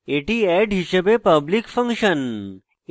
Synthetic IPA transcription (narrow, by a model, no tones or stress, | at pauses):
eʈiɛɖɦiɕebepɐblikfə̃ŋkʂən